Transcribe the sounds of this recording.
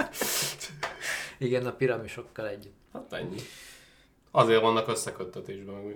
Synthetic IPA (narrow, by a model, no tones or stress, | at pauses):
iɡɛnɒpiɾɒmiʃo̞kːɒlɛɟːyt̪ːhat̪ɛ̰ɲːi | ɒzeːrvɒnːɒkøsːɛkøt̪ːɛt̪eːʒbɛmɛ